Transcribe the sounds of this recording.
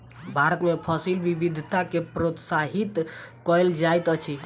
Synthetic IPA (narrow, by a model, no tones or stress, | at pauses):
bʱaɾət̪mepʰəsilʋibid̪ʱt̪akepɾot̪saɦit̪kɔld͡ʒajt̪ət͡ʃʰi